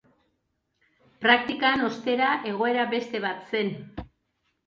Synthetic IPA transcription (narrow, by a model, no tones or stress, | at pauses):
pɾak̚t̪ikano̞st̪e̞ɾaʔe̞ɣ̞o̞e̞ɾaβe̞st̪e̞βat̪se̞n